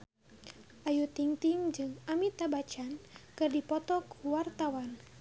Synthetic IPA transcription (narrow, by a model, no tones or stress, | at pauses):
ʔajut̪iŋt̪iŋd͡ʒɨŋamit̪abat͡ʃankɨrdipɔt̪ɔkuwart̪awan